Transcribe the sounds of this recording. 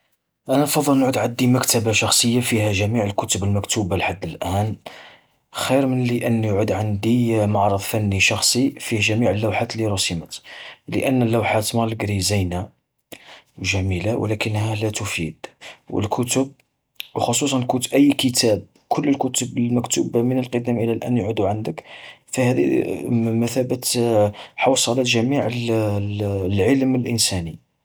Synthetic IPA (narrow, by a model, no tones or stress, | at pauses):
ʔænænfɑd̪ˤːəlnʕud̪ʕad̪ːimækt̪æbaʃɑxsˤəjːafiɦæʒæmiʕəlkʊt̪əbəlmækt̪ubalħad̪ːəlʔæn | xiɾmənliʔənːjʕud̪ʕand̪imɑʕɾˤəðˤfænːiʃɑxsˤifihʒæmiʕəlːæwħat̪liɾusəmət̪lə̰ʔənːlːæwħat̪mɑləɡɾizijna | wʒæmilawʔlækənːhælæt̪ʊfid̪wʔə̰lkʰʊt̪ʊb̚ | wxosˤus̬ˤɑnkut̪ʔəjːkət̪ʰæb̚ | kʰʊlːəlkʊt̪əbəlmækt̪ubmənəlqəd̪æmʔəlːælʔæ̰njʕud̪uʕand̪əkfihæd̪ḭməθæbət̪ | ħɑwsˤɑlæt̪ʒæmiʕəl | lʕəlməlʔənsæni